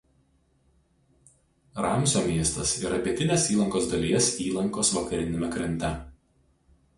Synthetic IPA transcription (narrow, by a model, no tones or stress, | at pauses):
ɾɑˑmʲˑsʲoːmʲiɛst̪ɐsiːɾɐpʲiɛt̪ʲɪnʲeːsiːlˠɐŋkoːsd̪ɐlʲiɛsiːlˠɐŋkoːsʋɐkɐɾʲɪnʲɪmʲɛkɾʲɛnʲt̪ʲɛ